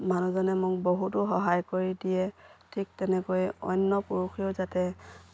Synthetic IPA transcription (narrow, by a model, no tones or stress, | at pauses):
manuzɔnɛmʊk̚boɦutʊɦɔɦajkoɹidijɛtʰik̚tɛnɛkojɔ̰nːɔpuɹuxʰijozatɛ